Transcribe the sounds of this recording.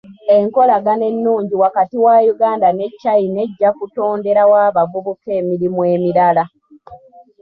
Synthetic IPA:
e̞ŋko̞laɡane̞nːuːɲɟiwakatiwajuɡaːndane̞cːaine̞ɟːakuto̞ːnde̞ɾawaːβaɡuβuke̞ːmiɾimwe̞ːmiɾala

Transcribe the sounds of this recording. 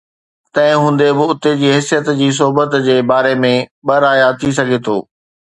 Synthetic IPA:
t̪ɐ̃ɦɪ̃ɦũːn̆d̪ebɪʊt̪ed͡ʑiːɦɪsijət̪d͡ʑiːs̬ʊɦʊbət̪d͡ʑeːbaːɾemẽɓɐɾaːjat̪ʰis̬ɐɡʱet̪ʰo̰ː

